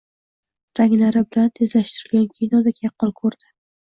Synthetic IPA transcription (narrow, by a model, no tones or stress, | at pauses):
ɾaŋlaɾɪbɪlant̪ʰezlaʃt̪ɪɾɪlɡʲankʲʰijnɒd̪akʰʲjɑqʰːɒnkʰɵɾd̪̥ɪ